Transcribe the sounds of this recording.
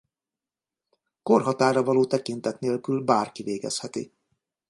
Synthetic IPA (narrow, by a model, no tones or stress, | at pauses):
ko̞rɦɒt̪aːɾɒvɒloːt̪ɛkint̪ɛt̪neːlkylbaːrkiveːɡɛ̰shɛt̪ḭ